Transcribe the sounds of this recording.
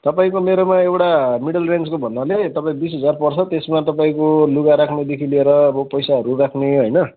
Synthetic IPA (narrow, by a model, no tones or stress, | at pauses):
t̪ʌpaĩkomeɾomaewʈamiɽʌlrenskobʱʌnːalet̪ʌpaĩbisɦʌd͡zarpʌrt͡sʰʌt̪esmat̪ʌpaĩkoluɡaɾakʰned̪ekʰilieɾʌːbʌ̃pʌjsaɦʌɾurakʰneɦʌjnʌ